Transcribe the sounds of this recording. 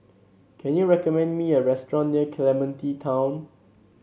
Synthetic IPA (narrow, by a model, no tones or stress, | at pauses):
kʰɛ̃njuɹɛkɔmɛ̃ndmiəɹɛstɹɔ̃nːiəkʰlɛmə̃ntitʰãw̃n